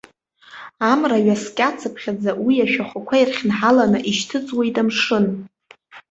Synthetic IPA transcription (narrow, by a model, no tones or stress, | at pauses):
amraɥaskʲʼat͡sʰɨpʰχʲad͡zawiaʃᶣaχʷakʷʰairχʲnħalanɨʔiʃtʰɨt͡sʼwejtʼamʂɨn